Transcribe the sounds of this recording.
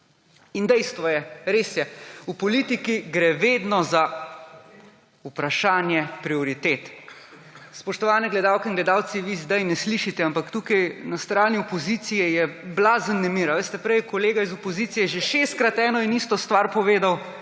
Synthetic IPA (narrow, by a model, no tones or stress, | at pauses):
ind̪ɛjst̪ʋɔjɛɾeːsjɛupɔliːt̪ikiɡɾɛʋeːd̪nɔza | upɾaʃaːnjɛpɾiɔɾit̪eːt̪ | spɔʃt̪ɔʋaːnɛɡlɛd̪aːwkɛinɡlɛd̪aːwt̪siʋizd̪ajnɛsliʃit̪ɛampakt̪uːkajnast̪ɾaːniɔpɔzit̪sijɛjɛblazənːɛmiːɾaʋeːst̪ɛpɾɛjkɔleːɡaizɔpɔziːt̪sijɛʒeʃest̪̚kɾat̪ɛːnɔinist̪ɔst̪ʋaɾpɔʋeːd̪aw